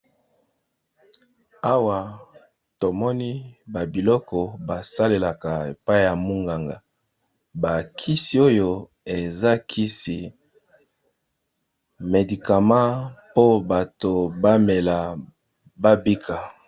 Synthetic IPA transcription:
a˦wa˨ | to˨mɔ˦ni˦ba˨bi˨lɔ˦kɔ˨ba˨sa˦le˨la˨ka˨e˨pa˦i˦˨ja˨mu˦ŋɡa˨ŋɡa˨ | ba˨kʰi˦si˨o˦jo˦ | e˨za˦kʰi˦si˨ | me˨di˨ka˨mã˦po˦ba˨to˨ba˦me˨la˨ | ba˦bi˦kʰa˨

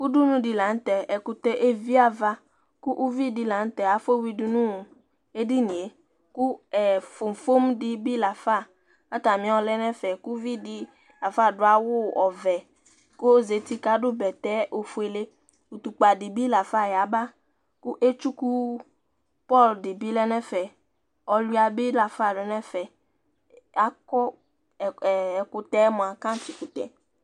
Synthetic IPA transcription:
ku˦du˦nũ˦di˨la˨n̩˦t̪ɛ˨ɛ˨ku˨t̪e˦ʔe˦vi˦a˨va˦ | ku˦ʔu˦vi˦di˨la˨˦n̩˦t̪ɛ˨a˨fo˦wi˦du˦nũ˦˨ | e˦di˦nĩ˨e˨ | ku˦ɛ˨fo˨m˨fo˦mdi˦bi˦la˨fa˦˨ | a˦t̪a˨mĩ˦ɔ˨lɛ˦nɛ̃˦fɛ˨ku˦vi˦di˦ | la˨fa˦˨ɖʊ˦a˦wʊ˦ɔ˨vɛ˨ | ko˦ze˨t̪i˦ka˦ɖʊ˦bɛ˨t̪ɛ˦ʔo˨fu˦e˨le˦ | u˨t̪u˨k͡pa˨dɪ˨bi˦la˨fa˦˨ja˨ba˦ | kʊ˦ʔe˦t͡ʃu˦ku˦ | pɔ˦˨ldɪ˨bi˦lɛ˦nɛ̃˦fɛ˨ | ɔ˨lu˦a˨bɪ˦la˨fa˦˨lɛ˨nɛ̃˦fɛ˨ | a˦kɔ˦˨ | kʊ˨t̪ɛ˦mʊ̃˨a˨kã˦n˦ti˨kʊ˨t̪ɛ̰˨

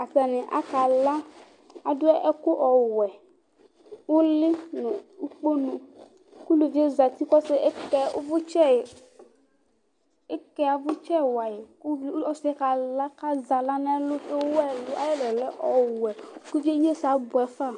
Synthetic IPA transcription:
a˨ta˨nɪ̃˨ʔa̰˨ka˨la˦ | a˨dʊ˦ɛ˦ʔɛ˦kʊ˦ʔɔ˨wɛ˨ | wʊ˦lɪ˦nʊ̃˨u˦k͡po˦nũ˨ | ku˦lu˨vi˦e˦za˨t̪i˦kɔ˦sɪ˦ʔkɛ˦vʊ˦t͡ʃɛ˦˨ | e˦kɛ˦a˨vʊ˦t͡ʃɛ˦˨wa˨je˨kɔ˦sɪ˦ka˨la˦ka˦za˨la˦na˦lʊ˦e˦wɛ˦lʊ˦a˦je˦lɔ˨lɛ˦ʔɔ˨wɛ˨ku˦vi˦e˦ɲ˦e˦sa˨˦bʊ˨ɛ˨˦fa˦˨

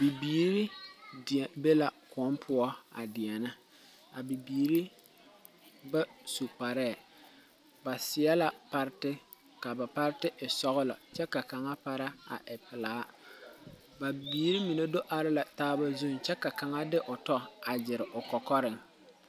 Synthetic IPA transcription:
bi˨biː˨˦ɾi˦dbe˦la˨kʊ˨ɔ˦mpʰʊ˦ɔ˦a̰˨dɪ˨ɛ˨nɪ˦ | a˨bi˨biː˨ɾi˦ | ba˦su˨pa˨ɾɛː˦˨ | ba˨sɪ˨ɛ˦la˨pa˦ɾɪ˦tɪ˦ | ka˨ba˨pa˦ɾɪ˦tɪ˦ʔɪ˨sɔ˦ɣʊ˦la̰˨t͡ʃɛ˦ka˨ka˨ŋa˦pa˦ɾa˦a̰˨ʔɪ˨pɪ˨laː˨˦ | ba˨biː˨˦ɾi˦mi˨ne˦do˦ʔa˨ɾɪ˦la˨taː˦ba˦zu˦˨ŋt͡ʃɛ˦ka˨ka˨ŋa˦dɪ˦ʔʊ˨tɔ˦a˨d͡ʒɪ˨ɾɪ˨ʔʊ˨kɔ˨kɔ˦ɾɪ˨ŋ

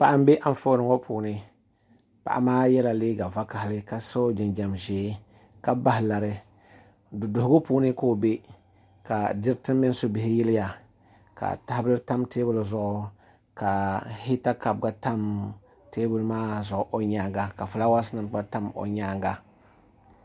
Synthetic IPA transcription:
pa˨ʔa˦m˦be˦ʔa˨n˨fo˦ɾɨ˨ŋo˦puː˨nɨ˦ | pa̰˨ʔa̰˨maː˦jɛ˦la˨leː˦ɡa˨va˦ka˨hɪ˨lɨ˦ka˨so˦d͡ʒɪ˨nd͡ʒa˨mʒeː˨˦ | ka˦ba˦ɦɪ˨la˨ɾɨ˦ | dʊ˨dʊ˨hɡʊ˦puː˦nɨ˦ko˦be˦ | ka˨dɪ˦ɾtɨ˦m˦mɪ˦n˦so˦bɪ˨hɪ˦jɪ˦lɪ˦ja˨ | ka̰˨ta˦hbɨ˦lta˦mteː˦bʊ˦lzʊ˨ʔʊ˦ | ka˨hi˦ta˦ka˨b̚ɡa˦ta˦m | teː˦bʊ˦lmaː˦zʊ˨ʔʊ˨ʔo˨ɲaː˨˦ŋɡa˨ka˨fu˨la˦wa˦snɨ˨mk͡pa˦ta˦mo̰˨ɲaː˦ŋɡa˨

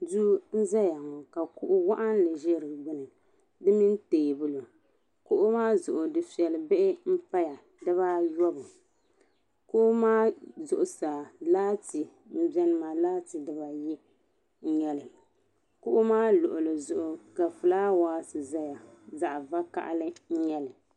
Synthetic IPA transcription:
du˦n̩˦za˦ja˨ŋɔ˨ka˨kʊ˦ʔʊ˦wa˦ʔa˦n˦lɨ˨ʒe˦ɾɨ˨ɡ͡bɨ˦nɨ˨ | dɨ˦mi˦n˦teː˨bʊ˦lo˨ | kʊ˦ʔʊ˦maː˦zʊ˨ʔʊ˨dɨ˨fi˨ɛ˨lɨ˨be˦ʔɪ˦m̩˦pa˦ja˨ | dɨ˦βaː˦jɔ˦bʊ˨ | kʊ˦ʔʊ˦maː˦zʊ˨ʔʊ˨sa˨laː˦ti˨ | m̩˦bɛ˦nɨ˦ma˨laː˦ti˨dɨ˦ba˨ji˦ | ɲɛ˦lɨ˨ | kʊ˦ʔʊ˦maː˦lʊ˨ʔʊ˨lɨ˨zʊ˨ʔʊ˨ka˨fɨ˨laː˦waː˦sɨ˨za˦ja˨za˨ʔva˦ka̰˦ʔa̰˦lɨ˦ɲ̩˦ɲɛ˦lɨ˨

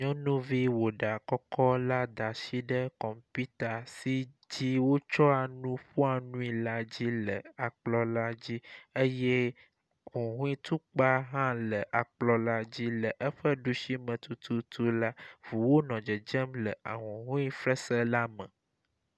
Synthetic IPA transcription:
ɲɔ̃˦nũ˦vi˦wo˨ɖa˨kɔ˦kɔ˦la˦d̪a˨si˦ɖə˦kɔ˨mpi˦t̪a˨si˦ | d͡ʑi˦wo˦t͡ʃɔ˦a˨nũ˦ɸu˦a˨nũ˦i˨la˦d͡ʑi˦lə̰˨a˨k͡plɔ˦la˦d͡ʑi˦e˦jɛ˦ | ɦũ˨ɦũ˦i˦t̪u˦k͡pa˦ɦã˦lə˨ʔa˨k͡plɔ˦la˦d͡ʑi˦lə˨ʔə˦ɸə˦ɖu˦ʃi˦mə̃˨t̪u˦t̪ʰu˦t̪u˦la˦vu˨wo˦nɔ̃˨d͡ʒɛ˨d͡ʒɛ˦mlə˨ʔa̰˨ɦũ˨ɦũ˦i˦fɾɛ˦sə˦la˦mə̰̃˨

